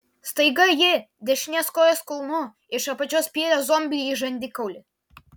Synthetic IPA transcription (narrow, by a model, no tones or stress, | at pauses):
st̪ɐɪɡɐjɪ | d̪ʲɛʃʲɪnʲɛskoːjɛskʊlˠnʊ | ɪʃɐpɐt͡ʃʲoːspʲiɛlʲozɔmʲbʲlʲiiʒɐnʲd̪ʲɪkɐʊlʲɪ